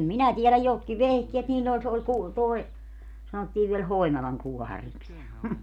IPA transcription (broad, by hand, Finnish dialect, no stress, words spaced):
minæ tielæj jotki ʋehkeːt niːlː ol se ol ku toe sɑnotːiːʋ ʋiel hoinɑlɑŋ kuɔhɑriks jɑ